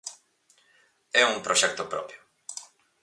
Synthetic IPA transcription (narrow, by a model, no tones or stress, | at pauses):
ɛumpɾɔɕɛkt̪ɔpɾɔ̰pʲjɔ